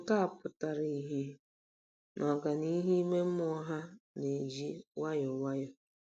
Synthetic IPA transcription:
ka˦a˨pʊ˨ta˨ɾi˦˨˦ɦi˦ | nʔɔ˨ɡa˨ni˦ɦi˦me˦m̩˦mɔ˦ɦa˦ne˨d͡ʒi˦wa˦jɔ˨wa˦jɔ˨

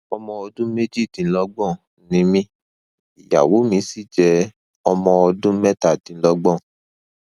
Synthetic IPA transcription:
ɔ˧mɔ̃˧ɔ˧dũ˦me˦d͡ʒi˦˨tĩ˨˧n̩˦lɔ˧ɡ͡bɔ̃˦˨ | nĩ˨˦mĩ˦ | i˨ja̰˨wo˨˦mĩ˨˧˦si˦˨d͡ʒɛ˧ | ɔ˧mɔ̃˧ɔ˧dũ˦mɛ˦ta˦˨tĩ˨˧n̩˦lɔ˧ɡ͡bɔ̃˦˨

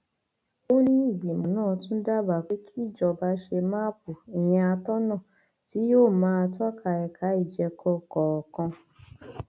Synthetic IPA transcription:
o˦nĩ˦i˦˨ɡ͡bi˨mũ˨˦nãː˦˨tũ˦da˦˨ba˨k͡pe˨˦kʰi˦i˦˨d͡ʒɔ˧ba˨˦ʃe˧mã˦p̚u˨i˨j̃ɛ̃˧a˧tɔ˦nã˦˨ | ti˨˦joː˦˨mãː˨˦˧tɔ˦kʰa˧˨ɛ˨kʰa˨˦i˦˨d͡ʒɛ˧kʰɔ˧kɔ˨ɔ˨kã˧

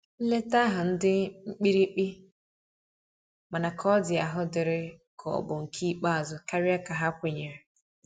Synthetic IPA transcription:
n̩˦le˦ta˦ɦʊ˨n̩˦dɪ˦ŋ͡m̩˦k͡pi˦ɾi˦k͡pi˦ | ma˨na˨kʰɔ˦dɪ˨a˨ɦʊ˦dɪ˨ɾɪ˦kʰɔ̰˨bʊ˨ŋ̩˨kʰi˦k͡pa˦a˨zʊ˨ka˦ɾɪ˦a˦ka˨ɦa˦kʷe˨ɲe˨ɾɪ˨

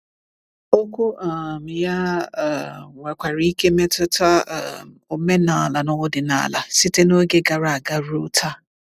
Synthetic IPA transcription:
o˦kʷu˦a˨m˨ja˦˨ | ŋʷa˨kʷa˨ɾi˨˦i˦ke˦me˦tʊ˦ta˦˨ | o˨me˦na˨a˨la˨nʊ˦ʊ˦dɪ˨na̰˨a̰˨la̰˨sɪ˦te˦no˦ɡe˦ɡa˨ɾa˨a˨ɡa˦ɾo˦tʰa˦

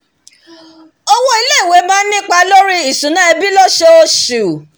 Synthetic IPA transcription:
ɔ˧wo˦i˧le˦˨i˨we˨˦bã˦n̩˦nĩ˦k͡pa˧lo˦ɾi˦i˦˨sũ˨˦nã˦ɛ˧bi˦lɔ˦ʃe˧o˧ʃu˨

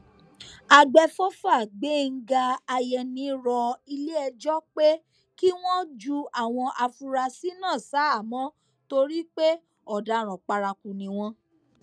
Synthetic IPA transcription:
a˨ɡ͡bɛ˧fɔ˦fa˦˨ɡ͡be˨˦˨ŋ̩˦ɡa˧a˧jɛ˧nĩ˧˦ɾɔ˧i˧le˦ɛ˧d͡ʒɔ˦k͡pe˦ | ki˦w̃ɔ̃˦d͡ʒu˦a˨w̃ɔ̃˧ʔa˧fu˧ɾa˧si˦nãː˦˨sa˨˦a˦˨mɔ̃˨˦ | to˧ɾi˦k͡pe˦ | ɔ˨da˨˦ɾ̃ɔ̃˨k͡pa˧ɾa˧ku˨nĩ˨˧w̃ɔ̃˧

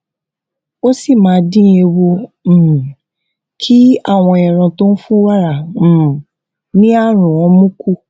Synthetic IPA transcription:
o˦si˦˨mãː˨˦dĩ˦e˧wõ˧˨ | kʰi˦a̰˦˨w̃ɔ̃˧˨ɛ̃˨ɾ̃ã˧to˦n̩˦fũ˦wa˦ɾã˨ | nĩ˦a˦˨ɾ̃ũ˨ɔ̃˨˧mũ˦ku˦

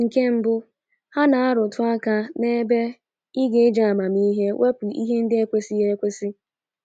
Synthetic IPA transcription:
ŋ̩˨ke˦m̩˦bʊ˦ | ha˦na˨a˦ɾʊ˨tʊ˦a˦ka˦ne˦be˦ | i˦ɡe˦d͡ʒa˨a˨ma˨mi˦ɦe˦wʔe˦pʊ˨ʔḭ˦ɦe˦n̩˦dɪ˦e˦kʷe˦si˦je˦ɾe˦kʷe˦si˦

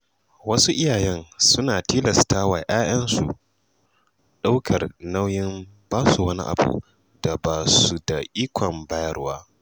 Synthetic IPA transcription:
wɐ˦su˦ʔɪ˦jaː˨jɛ˦nsʊ˦naː˨tiː˦lɐ˨staː˦wa˨ʔaː˦j̰ɐ˦nsṵ˨ | ɗa˦wkʰɐ˨rna˦wjɪ˦m | baː˦su˨wɐ˦ni˦ʔa̰˨bṵ˨ | d̥a˨baː˨su˨da˨ʔiː˦kʷʰɔ˨mbaː˦jɐ˦rwaː˦

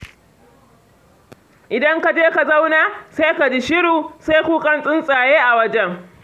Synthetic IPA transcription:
ʔɪ˨dɐ˦ŋka˨d͡ʒeː˦ka˨za˦wnaː˦˨sa˦jka˨d͡ʒi˦ʃɪ˦ɽuː˨sa˦jkʷuː˦kʼɐ˦nsʼɪ˦nsʼaː˨jeː˦ʔa˨wɐ˦d͡ʒɛ˦ŋ

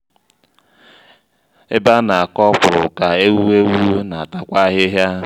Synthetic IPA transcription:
e˦ba˦na˨a˨kɔ˦pʊ˨ɾʊ̰˨ka˨e˦wu˦we˦wu˦na˨a˨ta˦kʷa˦ɦɪ˦ɦja˦

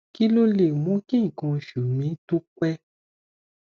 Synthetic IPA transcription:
ki˦lo˦le˨mɔ̃˨˦kĩ˦˨kɔ̃˧˨ʃu˨mĩ˨˦tu˦kʷɛ˦

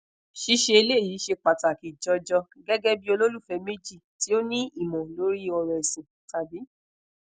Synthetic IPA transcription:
ʃi˧ʃe˧e˧le˦˨ji˨˦ʃe˧k͡pa˨ta˨ki˨d͡ʒɔ˧d͡ʒɔ˧ | ɡɛ˦ɡɛ˦bi˦o˧lo˦lu˦˨fɛ˨˧˦me˦d͡ʒi˦˨ti˨˦o˦nĩ˦i˦˨mɔ̃˨lo˨˦ɾi˦ɔ˧ɾɛ˨ɛ˨sĩ˨ | ta˨bi˨˦

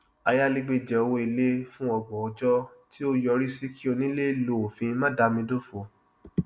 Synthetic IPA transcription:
a˧ja˦le˧ɡ͡be˧˨d͡ʒɛ˨o˧wo˧i˧le˦fũ˦ɔ˦˨ɡ͡bɔ̃˨ɔ˧d͡ʒɔ˦ti˦o˦jɔ˧ɾi˦si˦kʰi˦o˧nĩ˦le˦˨˦lo˨o˨fĩ˧˦mã˦da˧mĩ˧do˦fo˨

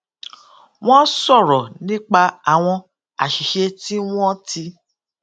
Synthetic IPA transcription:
w̃ɔ̃˦sɔ˦˨ɾɔ˨nĩ˦k͡pa˧a˨w̃ɔ̃˧ | a̰˨ʃi˨ʃe˧ti˦w̃ɔ̃˦ti˧

